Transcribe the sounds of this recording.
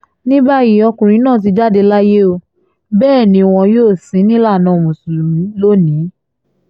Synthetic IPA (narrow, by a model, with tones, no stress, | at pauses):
nĩ˦ba˦ji˨˦ɔ˧kũ˨ɾ̃ĩ˨˦nãː˦˨t̬i˧d͡ʒa˦de˧la˦je˦o˧ | bɛː˦˨nĩ˧o˧w̃ɔ̃˧joː˦˨sĩ˨˦nĩ˦la˦˨nã˨˦o˨mũ˨su˨lu˨ĩ˨˦lo˦nĩ˨˦